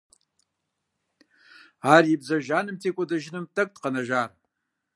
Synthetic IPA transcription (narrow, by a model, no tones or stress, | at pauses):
aːrjɪbzɐʒaːnɨmtʰeːkʷʼɔdɐʒɪnɨmtʰɐk̚ʼtqɐnɐʒaːr